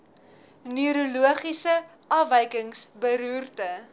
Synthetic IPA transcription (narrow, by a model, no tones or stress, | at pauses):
nyɾuluəχisə | ʔɐvəjkəŋsbəɾuːrtə